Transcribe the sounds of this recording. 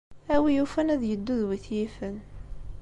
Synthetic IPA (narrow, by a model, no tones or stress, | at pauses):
æwijufænæðjəd̪ːuðwiθjifən